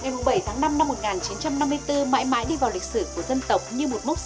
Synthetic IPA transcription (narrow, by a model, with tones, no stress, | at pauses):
ŋa˨˩jmʊ˨˩ŋ͡mɓə˧˩jt̪ʰaː˨˦ŋna˧mna˧mːo˨˩t̚ŋaː˨˩nt͡ɕi˨˦nt͡ɕa˧mna˧mːɨ˧əjt̪ɨ˧ma̰ː˧˥jma̰ː˧˥jɗi˧vaː˨˩wli˨˩k̚sɨ˧˩ku˧˩əzə˧nt̪ə˨˩wk͡p̚ɲɨ˧mo˨˩t̚mʊ˦˥